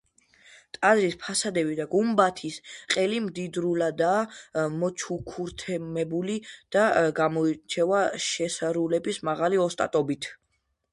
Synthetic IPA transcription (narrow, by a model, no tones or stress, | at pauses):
t̪ʼazɾispʰasad̪ɛbid̪aɡumbat̪ʰisqʼɛlimd̪id̪ɾulad̪aːmɔt͡ʃʰukʰuɾt̪ʰɛmɛbulid̪̥aɡamɔt͡ʃʰɛvaʃɛsaɾulɛbismaʁaliɔst̪ʼa̰t̪ʼɔbit̪ʰ